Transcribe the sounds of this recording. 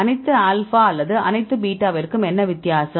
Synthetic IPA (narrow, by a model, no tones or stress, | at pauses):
ɐnɐɪt̪ːɯaːlfaːɐlːɐðɯʔɐ̰nɐɪt̪ːɯbiːʈːaːʋɐɾɯkːɯmɛnːɐʋɪt̪ːjaːsɐ